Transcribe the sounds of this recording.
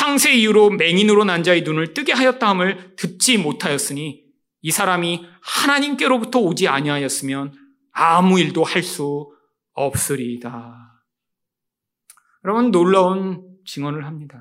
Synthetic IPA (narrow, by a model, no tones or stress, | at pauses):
sʰaŋsʰe̞ijuɾome̞ŋinɯɾonand͡ʑaeinunɯɭt͈ɯɡe̞ɦajʌt̚t͈aɦɯmɯɭtɯt̚t͡ɕ͈imotʰajʌs͈ɯɲiː | sʰaɾamihanaɲimk͈e̞ɾobutʰʌod͡ʑiaɲiɦajʌs͈ɯmjʌn | amuiɭdohaɭs͈u | ʌp̚s͈ɯɾida | jʌɾʌbunːoɭːaont͡ɕiŋwʌnɯɭɦamɲida